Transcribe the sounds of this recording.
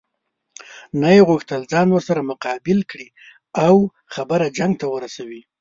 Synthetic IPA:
najeɣuxt̪əld͡zɑnwəɾsaɾamʊqɑbɪlkɽi | aw | xabəɾad͡ʒaŋɡ̚t̪awəɾasawi

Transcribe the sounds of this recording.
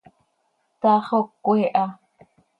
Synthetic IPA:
t̪aχokːʷeʔa

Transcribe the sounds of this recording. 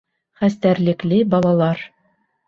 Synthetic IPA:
χæst̪æɾlɘ̆klɘbɒlˠɑlˠɑɾ

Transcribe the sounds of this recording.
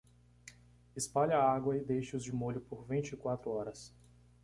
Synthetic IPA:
ɪspaʎɐːaɡwɐɪd̪ejʃɪʊzd͡ʒɪmoʎʊpoɾvĩt͡ʃɪkwat̪ɾʊɔɾɐs

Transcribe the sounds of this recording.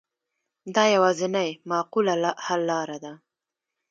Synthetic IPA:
d̪ɑjawɑzɪnajmɑqulahalːɑɾad̪a

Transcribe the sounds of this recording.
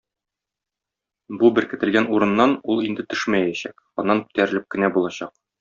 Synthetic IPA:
bubɘɾkɘ̆t̪ɘ̆lɡænuɾɤ̆nːɑnulˠind̪ɘt̪ɵ̥ʃmæjæɕæk | ɒnːɑnkɵ̥̆t̪æɾɘ̆lɘp̚kɘ̆næbulˠɑɕɑq̚

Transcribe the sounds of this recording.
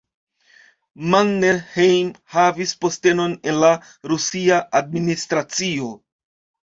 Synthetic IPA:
manneɾhejmhavispo̞ste̞no̞ne̞nla | ɾusiaʔːd̚ministɾat͡sio̞

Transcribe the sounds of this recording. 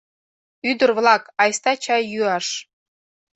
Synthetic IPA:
yd̪ə̆rβlˠɑkɑjst̪ɑt͡ɕɑjjyɑʃ

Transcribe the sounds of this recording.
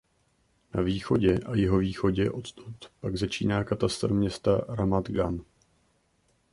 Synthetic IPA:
naviːxo̞ɟɛʔajɪɦo̞viːxo̞ɟɛʔo̞t̪t̪ut̪paɡzat͡ʃiːnaːkat̪ast̪rmɲɛst̪aɾamat̪ɡan

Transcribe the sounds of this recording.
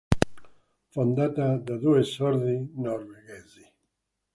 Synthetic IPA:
fond̪at̪ad̪aðuesɔɾðinɔɾweɡɛzi

